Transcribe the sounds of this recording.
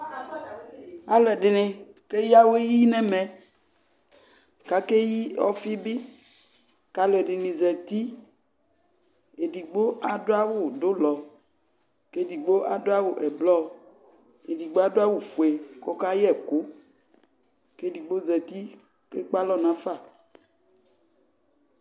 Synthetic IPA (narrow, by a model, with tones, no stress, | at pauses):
a˨lɛ˨ɖɪ˨nẽ˨ke˦ji˦a˦wo˦e˦ji˦nɛ̃˦mɛ̃˨ | ka˨ke˦ji˦ɔ̰˦fi˦bi˦ | ka˨lɛ˨ɖɪ˨nĩ˨zɛ˨t̪i˦ | e˨di˨ɡ͡bo˦a˨˦do˦a˦wo˨do˦lɔ˨ | ke˦di˨ɡ͡bo˦ʔa˨do˦a˦wo˨ʔɛ˨blɔ˦ | e˨di˨ɡ͡bo˦a˦do˦a˦wo˨fu˨e˨kɔ˦ka˦jɛ˦˨ko˨˦ | ke˦di˨ɡ͡bo˦zɛ˨t̪i˦ | ke˦k͡pa˦lɔ˦nã˦fa˦˨